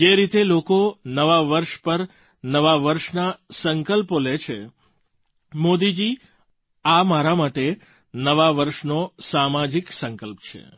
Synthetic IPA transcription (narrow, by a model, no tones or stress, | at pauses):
d͡ʒeɾit̪elokonəʋaʋəɾʃpəɾ | nəʋaʋəɾʃnasəŋkəlpolet͡ʃʰe | mod̪id͡ʒi | amaɾamaʈe | nəʋaʋəɾʃnosamad͡ʒiksə̃ŋkəlpt͡ʃʰḛ